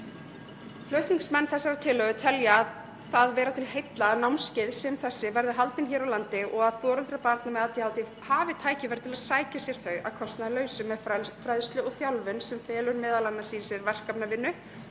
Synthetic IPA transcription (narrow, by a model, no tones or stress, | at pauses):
flœɥht̪niŋksmɛnːθɛsːaɾat̪ʰɪːlœɣʏt̪ʰɛljaːð | θaðvɛːɾat̪ʰɪlhejt̪lanawnscɪðsɛmθɛsːɪvɛɾðɪɦalt̪ɪnçɛːɾawlant̪ɪʔɔɣaðfɔːɾʏlt̪ɾapaɾt̪namɛðat̪ʰihawt̪ɪ | haːvɪt̪ʰaːjcɪvɛːɾɪt̪ʰɪlaðsaːjcasjɛɾ̥θœɥa̰ðkʰɔst̪naðlœːɥsʏmɛfɾajðst̪lʏɔɣθjawlvʏnsɛmfɛːlʏɾmɛːðalanːasiːɾɪsjɛɾvɛr̥kapnavɪnːʏ